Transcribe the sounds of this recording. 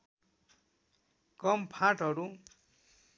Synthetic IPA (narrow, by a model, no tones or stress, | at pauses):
kʌmpʰãʈɦʌɾu